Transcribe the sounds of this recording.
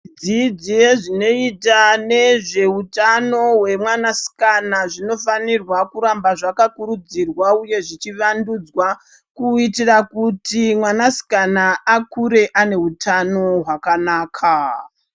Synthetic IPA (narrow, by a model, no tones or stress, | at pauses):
d͡zid͡zijeʐino̞itane̞ʐe̞utano̞ɦwe̞mwanasi̥kanaʐino̞fanirwakuɾambaʐakakuɾud͡zirwauje̞ʐit͡ʃiʋandud͡zwa | kuitirakutimwanasi̥kanaakuɾe̞ʔane̞utʰano̞ɦwakanaːkʰa